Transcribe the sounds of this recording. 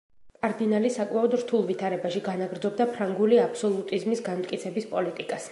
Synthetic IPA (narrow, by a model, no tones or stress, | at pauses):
kʼaɾd̪inalisakʼmaɔd̪ɾt̪ʰulˠvit̪ʰaɾɛbaʃiɡanaɡɾd̪zɔb̚d̪apʰɾaŋɡuliapʰsɔlˠut̪ʼizmisɡanmt̪ʼkʼit̪sʰɛbispʼɔlit̪ʼikʼas